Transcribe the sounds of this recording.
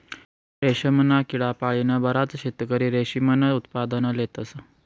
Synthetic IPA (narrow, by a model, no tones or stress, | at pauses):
ɾeɕəmənakiɭapaɭinəbəɾat͡sɕet̪kəɾiːɾeɕimənəut̪pad̪ənəlet̪əsə